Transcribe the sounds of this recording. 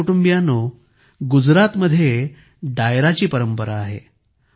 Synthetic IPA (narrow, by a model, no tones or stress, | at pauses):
uʈumbijano | ɡud͡zɾat̪məd̪ʱːje | ɖajɾat͡ɕiːpəɾəmpəɾaːɦḛ